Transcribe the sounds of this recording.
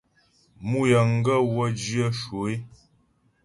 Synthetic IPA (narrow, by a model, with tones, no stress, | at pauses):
mu˦jə˨ŋ̩˦ɡə˦wə˦d͡ʒi˦ə˦ʃwo˨e˦